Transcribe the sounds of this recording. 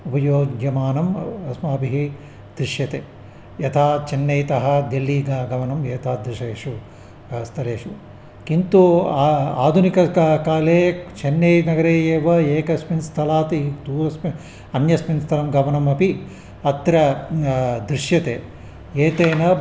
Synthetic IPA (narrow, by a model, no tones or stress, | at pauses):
upɐjoːɡjɐmaːnɐmɐsmɐːbiɦi | d̪̥ɾiʃjɐt̪eː | jɐt̪ʰaːt͡ʃenːejt̪ɐɦɐ̆d̪elːiːɡaːɡɐmɐnɐmeːt̪ʰaːd̪ɾiʂeːʂu | st̪ʰɐleːʂu | kint̪u | a̰ːd̪ʱunikɐkaːleːt͡ʃʰenːeːnɐɡɐɾeːjeːʋɐeːkɐsminst̪ʰɐlaːt̪id̪uːɾɐsmi | ɐnjɐsminst̪ʰɐlɐmɡɐmɐnɐmɐpi | ɐt̪ɾɐ | d̪ɾiʃjɐt̪eː | eːt̪eːnɐ